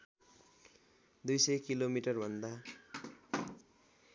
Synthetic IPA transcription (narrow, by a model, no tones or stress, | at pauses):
d̪ujsʌjkilomiʈʌrbʱʌnd̪a